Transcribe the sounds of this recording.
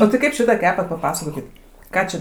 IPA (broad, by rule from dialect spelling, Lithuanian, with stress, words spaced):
oː tʲɪ ˈkɐɪp ˈʃʲɪtɑː ˈkʲæːpɐt pɐˈpɑːsɐkoːkʲɪt ˈkɑː t͡ʃʲɛ